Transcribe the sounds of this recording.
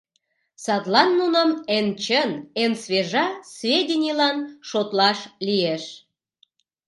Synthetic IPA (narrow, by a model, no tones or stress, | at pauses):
sɑt̪lɑnːunəment͡ɕənensvʲeʒɑsvʲedʲinʲilɑnʃot̪lɑʃlijeʃ